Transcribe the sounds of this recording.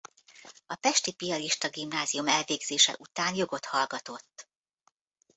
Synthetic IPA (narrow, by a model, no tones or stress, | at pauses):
ɒpɛʃt̪ipijɒliʃt̪ɒɡimnaːziumɛlveːɡz̥eːʃɛ̰ʔut̪aːnjo̞ɡo̞t̪hɒlɡɒt̪o̞t̪ː